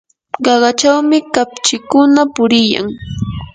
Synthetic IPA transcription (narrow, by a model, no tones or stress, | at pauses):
ɢɑɢɑt͡ʃawmɪkapt͡ʃɪkʊnapʊɾɪja̰ŋ